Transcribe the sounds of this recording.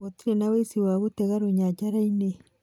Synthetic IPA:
otiɾenawesiwaɣutɛɣaɾuɲad͡ʒaɾaine

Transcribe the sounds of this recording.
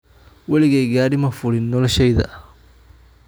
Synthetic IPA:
wɐlɪɣɛjɡaːɽɪmɐfʊɽɪnːɔlɔʃɛjðɐ̰

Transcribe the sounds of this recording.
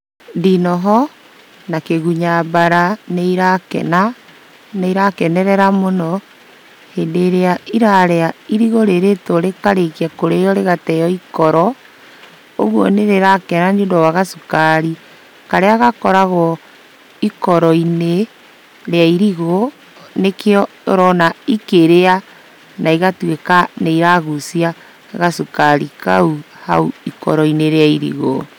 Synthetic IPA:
ndinɔɦɔ | nakeɣuɲabaɾaneiɾakɛ̰na | neiɾakɛnɛɾɛɾamonɔ | heːndeːɾeaiɾaɾeaiɾiɣoɾeɾetoɾekaɾekiakoɾejɔɾeɣatɛjɔikɔɾɔ | oɣwɔneɾeɾakɛnanodɔwaɣasukaɾi | kaɾeaɣakɔɾaɣɔ | ikɔɾɔine | ɾeaiɾiɣo | nekeɔ | ɾɔnaikeɾea | naiɣatwekaneiɾaɣusia | ɣasukaɾḭka̰u | ha̰uikɔ̰ɾɔineɾeaiɾḭɣo̰

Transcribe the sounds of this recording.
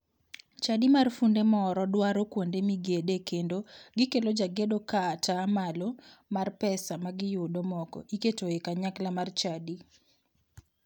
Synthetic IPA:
t͡ʃadimarfundemɔɾɔdwaɾokwondemiɡedekendoɡɪkelod͡ʒaɡedokaːtamalomarpɛsamaɡɪjʊdomɔkɔ̰ʔiketoekaɲaklamart͡ʃadi

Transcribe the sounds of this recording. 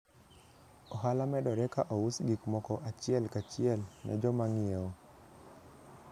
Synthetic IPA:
ɔɦalamɛdɔɾɛkaʔɔwusɡikmɔkɔʔat͡ʃɪɛlkat͡ʃɪɛlnɛ̰d͡ʒɔmaŋɪeo

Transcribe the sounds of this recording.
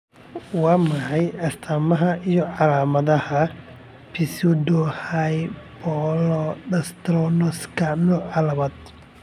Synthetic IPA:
wɑːmɐħɑjɐst̪ʰamɐɦɐʔijɔʕɑlaːmɐðɐhɐ | pʰɪsudɔhajbɔlɔdɐst̪ɾɔnɔskʰɐnɔːʕɑlɐβɐd̪

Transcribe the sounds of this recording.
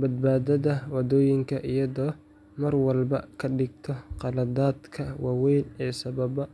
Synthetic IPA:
bɐd̪̚baːðɐðɐwɐd̪ɔːjɪŋkʰɐʔijɐðɔː | mɐrwɐlbɐ̰kʰɐɗɪɡ̚t̪ʰɔqɑlɐðaːd̪kʰɐwɑːwɛjnɛːsɐβɐbɐ

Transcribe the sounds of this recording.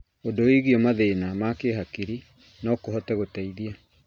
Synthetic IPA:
ondoeɣiɔmaðeːnamakeɦakiɾi | nɔkoɦɔtɛɣotɛiðia

